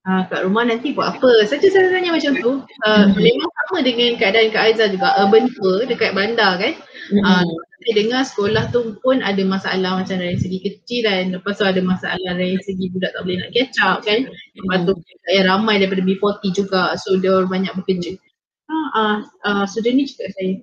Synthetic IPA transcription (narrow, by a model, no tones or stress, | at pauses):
akaʔɾumahnãnt̪ibuaʔapəsad͡ʒəsaasat̪aɲamat͡ʃamt̪u | əlemasamə̃dəŋankaadaankaʔazad͡ʒuɡaʔəbənt̪uədəkat̪̚bəɾandakanəəaʔasajdəŋasə̥kolaht̪upʊnadamasaʔalahmat͡ʃamɾajinsəɡikət͡ʃilanləpast̪uadamasaʔa̰lahɾainsəɡibudaʔt̪a̰ʔbolɪhna̰ʔkiat͡ʃap̚kanjapat̪uit̪aʔjaɾamãjdaɾip̬adəbipɔt̪id͡ʒuɡaʔsodarbaɲak̚bəkət͡ʃil | aaəsudanid͡ʒuɡaʔsaja